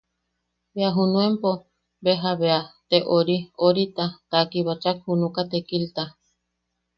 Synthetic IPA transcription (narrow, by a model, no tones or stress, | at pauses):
βeaɦunũempo | beɦaβeat̪eʔoɾioɾit̪at̪akiβat͡ʃakhunũkat̪ekilt̪a